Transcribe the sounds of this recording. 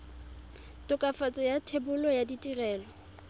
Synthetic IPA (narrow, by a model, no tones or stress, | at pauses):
tʼʊkʼafat͡sʼɔjatʰebʊlɔjaditʼirɛːlɔ